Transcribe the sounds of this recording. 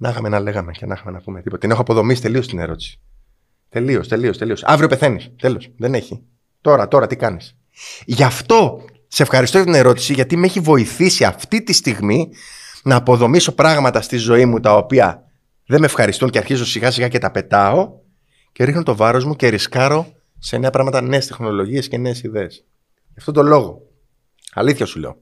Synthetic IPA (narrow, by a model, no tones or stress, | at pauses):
nɐxɐmenɐle̞ɣɐme̞cenɐxɐme̞nɐpumet̪ipot̪ɐinexoɐpo̞ðo̞misi̥t̪e̞liost̪ine̞̰ɾo̞t̪i̥si̥ | t̪e̞lio̞st̪e̞lio̞st̪e̞lio̞sɐ̰vɾiope̞θenist̪e̞lo̞sðe̞ne̞çi | t̪o̞ɾɐt̪o̞ɾɐt̪ikɐnis | ʝɐft̪o̞ | se̞fxɐɾist̪ojɐt̪ine̞ɾo̞t̪i̥siʝɐt̪ime̞çivo̞iθisiɐft̪it̪ist̪iɣmi | nɐːpo̞ðo̞miso̞pɾɐɣmɐt̪ɐst̪izo̞imut̪ɐopiɐ̰ | ðe̞me̞fxɐɾist̪unceɐɾçizo̞siɣɐsiɣɐce̞t̪ɐpe̞t̪ɐo̞ | ceɾixno̞t̪o̞vɐɾo̞zmuce̞ɾiskɐɾo̞ | se̞ne̞ɐpɾɐɣmɐt̪ɐne̞ːst̪exno̞lo̞ʝie̞sce̞ne̞ːsiðe̞ːs | ʝɐft̪ot̪o̞lo̞ɣo̞ | ɐ̰liθçɐsulḛo̰